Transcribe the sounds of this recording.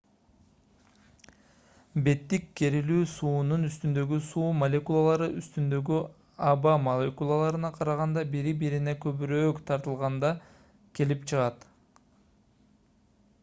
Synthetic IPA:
be̞t̪ːikːe̞ɾilyːsuːnunyst̪ynd̪ø̞ɡysuːmɐlʲekulˠɑlˠɑɾɯʔyst̪ynd̪ø̞ɡy | ɑbɑmɐlʲe̞kulˠalˠɑɾɯnɑqʰɑɾɑʁɑnd̪ɑbiɾibiɾine̞kø̞pyɾøːkt̪ʰɑɾt̪ɯlˠʁɑnd̪ɑ | ke̞lipt͡ʃʰɯʁɑt̪

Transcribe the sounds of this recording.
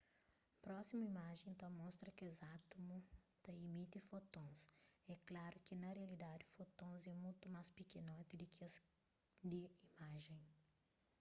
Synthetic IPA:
pɾɔsimɐimaʒẽj̪̃t̪ɐ̃mɔ̃st̪ɾɐkɪzat̪umʊ | t̪ɐimit̪ɪfot̪õsɛklaɾʊkɪnɐreɐlid̪ad̪ɪfot̪õzɛmũjt̪ʊmaspikenõt̪ɪd̪ɪkʰɪɐs | d̪ɪimaʒẽj̃

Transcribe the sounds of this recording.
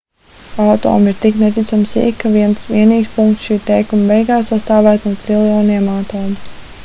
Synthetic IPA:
awt̪ɔ̰ːmiɾt̪iknet̪it̪sɔmsḭkːaviɛnsʋiɛniːkspuŋkt̪sʃiːt̪ɛjkumvɛjɡaːsast̪aːvæːt̪nuɔɾilˠjɔːniɛmawt̪ɔːm

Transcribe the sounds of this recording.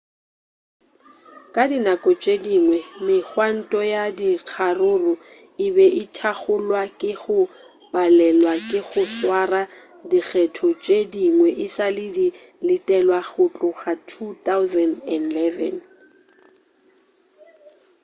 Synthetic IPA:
kʼadinakʼɔt͡ʃʼediŋwɛmɪχwan̩tʼɔjadiq͡χʰarʊrʊ | ɪbɛʔɪtʰaɣʊlwakʼɪɣʊ | b̥alɛlwakʼɪɣʊswara | dik͡xʰɛtʰɔt͡ʃʼediŋwɛʔɪsalɪdi | lɪtʼɛlwaɣʊt͡ɬʼʊɣatʰutawzɛndɛnlɛvɛ̰n

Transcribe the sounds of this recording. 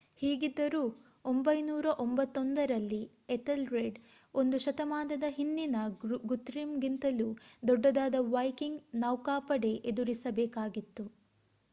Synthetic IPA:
hiːɡid̪ːɐɾuː | ombɐjnuːɾɐʔombɐt̪ːond̪ɐɾɐlːi | eʈɐlɾeɖ | o̞nd̪uʃɐt̪ɐmaːd̪ɐd̪ɐɦind̪inɐɡut̪ɾimɡint̪ɐlud̪ɔɖːɐd̪aːd̪ɐʋɐjkiŋɡnɐwkaːpɐɽe̞ʔed̪uɾisɐbɛːkaːɡit̪ːu

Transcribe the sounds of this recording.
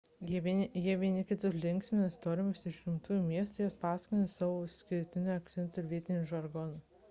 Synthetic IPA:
jiɛʋʲiɛnʲɪkʲɪt̪ʲʊslʲɪŋʲksʲmʲɪnʲɛst̪oːɾʲɪmʲʊsɪʃʲɡʲɪmt̪uːjumʲiɛst̪ʊjɛspɑːsʲɐ̥kʲonʲɪsɑːʋoːsʲkʲɪɾʲt̪ʲɪnʲoɐkt̪sʲɛnˑt̪ʊɪɾʋʲiɛt̪ʲɪnʲʊʒɐɾɡɔnɐ

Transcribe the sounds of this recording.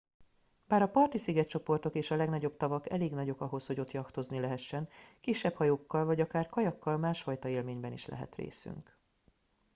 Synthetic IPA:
baːɾɒpɒrt̪isiɡɛt̪t͡ʃo̞po̞rt̪o̞keːʃɒlɛɡnɒɟo̞b̚t̪ɒvɒkɛ̰leːɡnɒɟo̞kɒɦo̞sho̞ɟo̞t̪jɒkt̪o̞znilɛɦɛʃːɛnkiʃːɛphɒjoːkːɒlvɒɟɒkaːrkɒjɒkːɒlmaːʃfɒjt̪ɒeːlmeːɲbɛnḭʃlɛ̰ɦɛ̰t̪rḛːsy̰ŋk

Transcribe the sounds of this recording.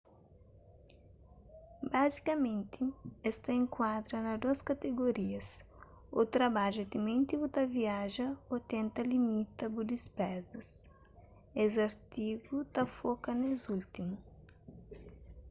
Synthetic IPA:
bazikɐmẽnt̪iɛst̪ɐẽŋkwad̪ɾɐnɐd̪oɐskɐt̪eɡoɾiɐs | ot̪ɾɐbaʒʊet̪imẽnt̪ibut̪ɐviaʒɐot̪ẽnt̪ɐlimit̪ɐbud̪ispɛzɐs | ezɐɾt̪iɡut̪ɐfokɐnezult̪imʊ

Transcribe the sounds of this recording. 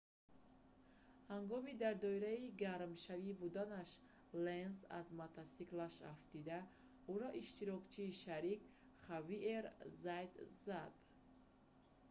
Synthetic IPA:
haŋɡɔmid̪aɾd̪ɔiɾaiɡaɾmʃavibud̪anaʃ | lensa̰zmat̪ʰasiklaʃa̰ft̪id̪a | uɾɔʔiʃt̪iɾɔkt͡ʃʰiːʃaɾik | χaviʔeɾzajd̪zad̪̥

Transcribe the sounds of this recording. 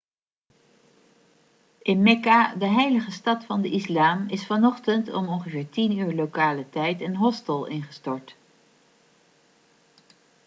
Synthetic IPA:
ʔɪnmɛkadəɦɛjləχəstɑtfɑndəʔislaːmɪsfɑnɔχtəntɔ̰mɔnχəvɪːɹtinyːɹlowkaːlətɛjtənɦɔstəlˠɪ̰nχəstɔɹt

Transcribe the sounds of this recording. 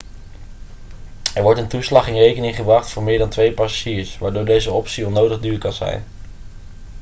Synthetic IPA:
ɛɹʋɔɹtəntuslɑχɪnrejkənɪŋχəbrɑχtfʊːɹmɪːɹdɑntʋejpasḁʒiːɹsʋaːɹdʊːɹdejzəɔpsiɔnowdəχdyːɹkɑnzɛ̰jn

